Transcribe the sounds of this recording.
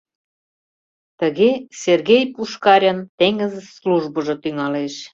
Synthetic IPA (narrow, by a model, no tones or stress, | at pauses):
t̪ə̆ɣesʲerɣejpuʃkɑɾʲənt̪eŋɡə̆zesluʒbɤ̆ʒŏt̪yŋɑleʃ